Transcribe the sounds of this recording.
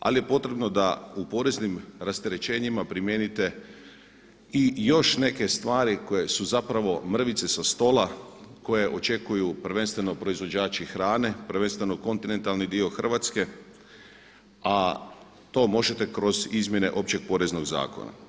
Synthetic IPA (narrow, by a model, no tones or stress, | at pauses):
a̰lije̞po̞t̪ɾe̞bno̞d̪aupo̞ɾe̞znimɾast̪eɾe̞t͡ʃe̞ːɲimapɾimje̞nit̪e̞ | ijo̞ʃne̞ke̞st̪ʋaːɾiko̞jesuzapɾaʋo̞mr̩ʋit̪se̞sast̪o̞lako̞je̞ʔo̞t͡ʃe̞kujuprɾ̩ʋe̞nst̪ʋe̞no̞pɾo̞izʋo̞d͡ʑaːt͡ʃixɾaːne̞pɾ̩ʋe̞nst̪ʋe̞no̞ko̞nt̪ine̞nt̪alnid̪io̞xr̩ʋat̪ske̞ | a | t̪o̞mo̞ʒet̪e̞kɾo̞zizmʲje̞ne̞̰ʔo̞pt͡ɕe̞ɡ̚po̞ːɾe̞zno̞ɡza̰ːko̰na̰